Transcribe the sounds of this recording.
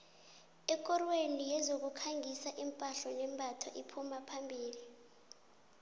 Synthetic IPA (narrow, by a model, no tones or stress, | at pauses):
ɛkʼɔrwenijɛzok̬ukʰaŋɡʱisaʔimpʼaɬɔnɛmbʱatʰwaʔipʰumapʰambʱiːli